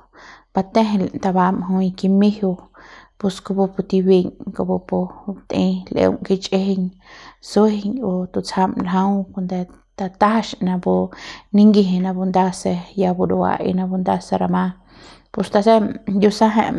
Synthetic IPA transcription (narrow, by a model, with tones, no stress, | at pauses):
ba˧t̪ẽ˦ɦe˧lt̪a˧βa˧mɦũ˧jki˧mi˦hu˧pu˧sko˧bu˧po˧t̪i˧bi˧ɲko˧bo˧po˧t̪ĩ˧lʔḛ˧w̰ŋki˧t͡ʃʼe˦he˧ɲsu˦hi˧ɲu˧t̪u˧t͡sha˧mlɦã˦wko˧nd̪e˧ | t̪a˧t̪a˦hʃnã˧bo˧nĩ˦ŋɡi˧ɦe˧nã˧bu˧nd̪a˧se˧ja˧bu˧do˧a̰˧ʔḭ˧nã˧bu˧nd̪a˧se˧ɾa˧mã˧ | pu˧st̪a˧se˦ju˧sa˦ɦẽ˧ʔ